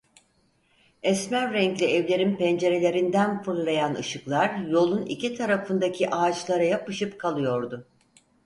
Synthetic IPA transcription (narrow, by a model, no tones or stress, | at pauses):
ɛsmæɾːɛŋclʲɛɛvlʲe̞ɾinpɛnd͡ʒe̞ɾe̞lʲe̞ɾind̪ænfɯɾlˠajanɯ̰ʃɯklˠaɾjo̞lˠunḭcit̪ʰaɾafɯnd̪acʰiʔaːt͡ʃlˠaɾajapɯʃɯpkʰalˠɯjo̞ɾd̪ʊ